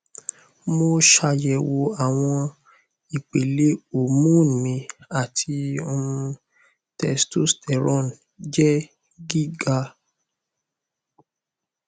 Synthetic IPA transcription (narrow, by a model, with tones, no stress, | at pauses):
mo˧ʃa˧jɛ˨wo˧a˨w̃ɔ̃˧ | i˨k͡pe˨le˦o˦˨mũ˦˨mĩ˨˧a˨tʰi˧o˧ũ˧ | tɛ˧stu˦stɛ˨ɾɔ̃˦˨n | d͡ʒɛ˦ | ɡi˦ɡa˧